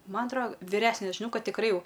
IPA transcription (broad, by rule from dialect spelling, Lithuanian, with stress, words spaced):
ˈmɐn ɐtˈroː ʋʲɪˈrʲæːsʲnʲɛ ʒʲɪˈnɐʊ ˈkɐt tʲɪkˈrɐɪ ˈjɛʊ